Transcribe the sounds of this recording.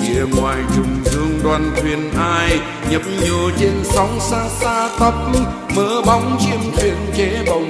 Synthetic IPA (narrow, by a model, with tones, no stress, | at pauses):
ŋḭ˧˨əŋwaː˨˩jt͡ɕʊ˨˩ŋ͡mzɨ˧əŋɗwaː˧˩nt̪ʰwi˨˩ənʔaː˧j | ɲə˨˦˥p̚ɲɨ˨˩t͡ɕe˧nsɔ˨˦wŋ͡msaː˧saː˧t̪ə˦˥p̚ | məː˨˧˦ɓa˨˦wŋ͡mt͡ɕi˧əmt̪ʰwi˨˧˨ənt͡ɕe˨˦ɓə˨˩wŋ͡m